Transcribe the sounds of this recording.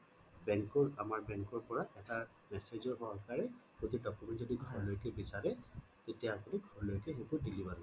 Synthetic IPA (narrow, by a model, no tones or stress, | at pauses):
bɛŋkɔɹamaɹbɛŋkɔɹpɔɹaʔɛta | mɛsezɔɹɦɔɦɔlkaɹɛpot̪idɔkumɛntzodiɡʱɔɹlojkɛbisaɹɛ | tetijaːpuniɡʱɔɹlojkɛxebɔɹdilibaɹ